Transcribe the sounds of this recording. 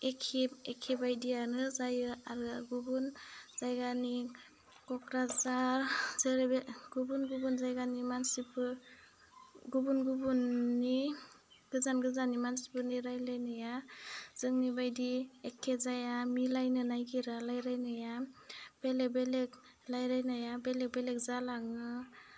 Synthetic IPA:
ekʰipekʰːibajdijanɯzajɯaɾɯɡubunzajɡani | kɔkɾazaɾzɯɾeeɡ̥ubunɡubunzajɡanimansipɯ | ɡubunɡubunːi | ɡ̥ɯzanɡɯzanimansi̥pɯniɾajlajnɯjaz̥ɯŋnibajdiekʰːezajamilajnɯnajɡiɾalajɾajnɯjab̥elebelek̚ | lajɾajnajabelek̚belek̚zalaŋɯ

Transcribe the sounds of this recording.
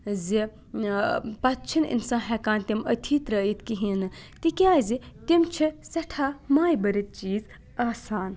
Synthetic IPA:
zi | pɐtt͡ʃʰinḭnsãːɦɛkaːnt̪imɐt̪ʰit̪ɾɐjit̪kiɦĩnɨt̪ikjãːzit̪imt͡ʃʰisɐʈʰaːmaːjbɐɾit̪̚t͡ʃiːz | aːsaːn

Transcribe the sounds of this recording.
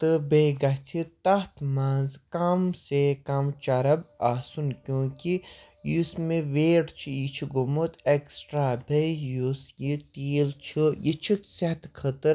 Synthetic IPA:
t̪ɨbeːɡɐt͡sʰit̪ɐɦt̪maːnzkɐmsekɐmt͡ʃɐɾɐbaːsunkʲjõːki | jusmeʋeːʈt͡ʃʰijit͡ʃʰiɡumut̪eksʈɾaːbʱejusjit̪iːlt͡ʃʰijit͡ʃʰiset̪kʰət̪ɨɾ

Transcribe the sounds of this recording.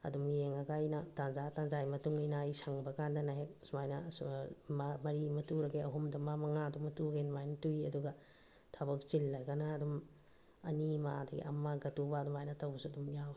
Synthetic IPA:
ɐ̰dumjeŋɐɡajnɐtanzatanzajmɐtuŋijnajsaŋbɐkandanaɦek̚smajnɐ | mɐɾimɐtuɾɐɡeɐɦumdɐmamɐŋadumɐtuɡenmajnɐtujɐduɡɐ | tʰabɐk̚t͡ʃilːɐjɡanaːdum | ɐnimadɐɡḛʔɐmːaɡɐtubaːdumajnɐtawbɐsuɐdumjaw

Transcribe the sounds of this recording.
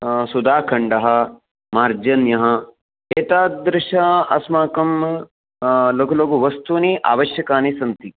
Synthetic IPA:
sud̪aːkʰɐɳɖɐɦɐ̆ | maːɾd͡ʒɐnjɐɦɐ̃ | eːt̪aːd̪ɾɪʃaɐsmaːkɐm | loːkɐloːɡuʋɐst̪uniʔa̰ːʋɐʃjɐkaːnisɐnt̪i

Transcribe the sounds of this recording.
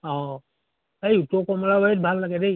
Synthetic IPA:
ɔ̃ | ejutɔkɔmɔlabaɹit̚bʱalːaɡɛdej

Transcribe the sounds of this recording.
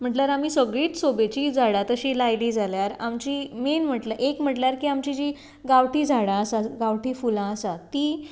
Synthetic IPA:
m̤əʈljaɾam̤iːsəɡɭiːt̪sobet͡ɕiːd͡zʱaɽat̪əɕiːlajliːd͡zʱaljaɾa̰mt͡ɕiːmenm̤əʈlaʔekm̤əʈljaɾkiːamt͡ɕid͡ʑiː | ɡaʋʈiːd͡zʱaɽãəsaɡaʋʈiːfulãəsat̪iː

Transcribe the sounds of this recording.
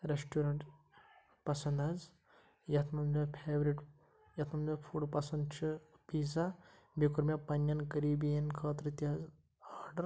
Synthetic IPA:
ɾesʈuɾɐɳʈ | pɐsɐnd̪ɐz | jɐt̪ʰmɐnd̪mʲepʰeːʋɾiʈ | jɐt̪ʰmɐnmefʰuɽpɐsɐnd̪t͡ʃʰɨpiːza | bikuɾmʲepɐnːjɐnkɐɾiːbijɐnkʰɐːt̪ɾɨt̪iɐz | aːɾɖɐɾ

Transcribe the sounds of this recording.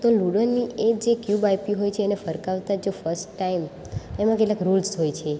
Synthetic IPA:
t̪oluɽəɾniek̚d͡ʒekjubajpiɦojt͡ʃʰeːnefəɾkaʋt̪ad͡ʒofəɾsʈːaim | emãkeʈlakɾulsɦojt͡ʃʰe

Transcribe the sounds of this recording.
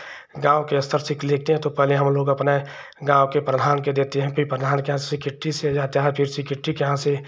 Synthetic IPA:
ɡãːwkeɐst̪əɾsɪkleːk̚t̪eɦɛ̃t̪opɛɦleɦɐmloːɡɐpne | ɡãːwkepɾəd̪ʱaːnked̪eːt̪eɦɛ̃pʰɪɾpɾəd̪ʱaːnkeɦãssikɪʈːised͡ʒaːt̪aɦɛ̃pʰɪɾsikɪʈːikeɦãse

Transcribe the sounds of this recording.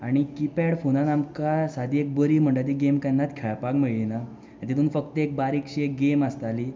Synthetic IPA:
aɽ̃ikipɛɽfonanamkasad̪ʱiːek̚bəɾiːm̤əɳʈat̪̬iɡemkanːat̪kʰɛɭpakmeɭɭinã | t̪it̪uːnfəkt̪əek̚baɾikɕiek̚ɡeməst̪ali

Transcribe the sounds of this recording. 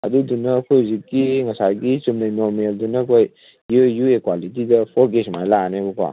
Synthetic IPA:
ɐ̰dudunɐːkʰojzikːiŋɐsaɡisumnɐjnoɾmeldunɐkʰoj | jjuekwalit̬idɐpʰoɾɡesmajlaanebuka̰

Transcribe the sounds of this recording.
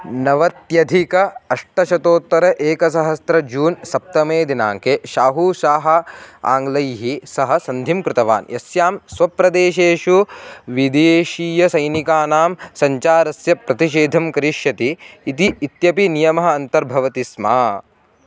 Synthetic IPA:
nɐʋɐt̪jɐd̪ʱikɐɐʂʈɐʃɐt̪oːt̪ʋɐɾɐʔeːkɐs̬ɐɦɐst̪ɾɐd͡ʒuːnsɐp̚t̪ɐmeːd̪ina̰ːŋkeːʃaːɦuːʃaːɦɐ̆a̰ːŋɡlɐjɦisɐɦɐ̆sɐnd̪ʱimkɾɪt̪ɐʋa̰ːnjɐsjaːmsʋɐpɾɐd̪eːʃeːʂuʋid̪eːʃiːjɐsɐjnikaːnaːmsɐɲt͡ʃaːɾɐsjɐpɾɐt̪iʃ̬eːd̪ʱɐmkɐɾiʃjɐt̪iːt̪iːt̪jɐpinijɐmɐɦɐɐnt̪ɐɾbʱɐʋɐt̪isma̰ː

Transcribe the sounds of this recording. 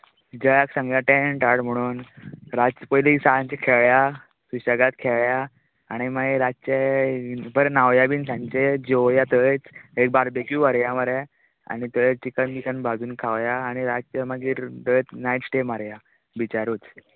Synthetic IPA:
d͡ʑəjaksãŋɡjaʈẽɳʈaɽm̤əɽ̃uːnɾapəjlisaɭãɲt͡ɕakʰeɭja | suɕaɡat̪kʰeɭjaː | ɽ̃imaiɾatt͡ɕe | bəɾnaʋjabiːnsãɲt͡ɕed͡ʑejat̪ət͡sek̚baɾbekjuʋaɾjaməɾja | a̰ɽ̃it̪əjt͡st͡ɕikənt̪ikənbad͡zuːnkʰaʋjaːɽ̃iɾad͡zt͡ɕaməɡiːɾd̪əjt͡snajʈsʈemaɾja | bit͡ɕaɾuːt͡s

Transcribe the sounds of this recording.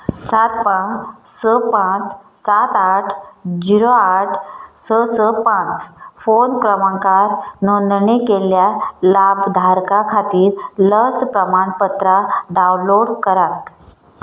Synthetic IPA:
sat̪̚pãsəpãt͡ssat̪aʈʰd͡ʑiɾoaʈʰsəsəpãt͡sfonkɾəmãŋkaɾnond̪ɳekeljalabd̪ʱaɾkakʰat̪iːɾləspɾəmaɳpət̪ɾaɖawnloɽkəɾat̪̚

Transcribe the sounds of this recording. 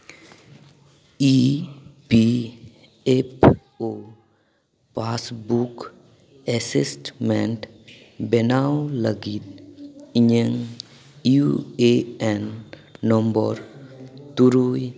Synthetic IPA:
i | pi | epʰ | o | pasbuk | ɛsisʈmeɳʈ | benawləɡit̪̚iɲəŋ | jueɛnːɔmbɔ̰ɾt̪uɾuj

